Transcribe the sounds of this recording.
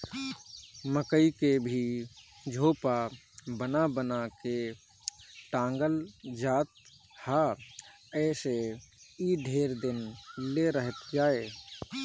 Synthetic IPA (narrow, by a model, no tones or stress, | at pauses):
məkəikebʱid͡ʒʱoːpa | bənabənake | ʈãːŋɡəld͡ʒaːt̪̚ | haː | ɛːseiɖʱeːɾd̪ɪnleɾəɦət̪d͡ʒaːe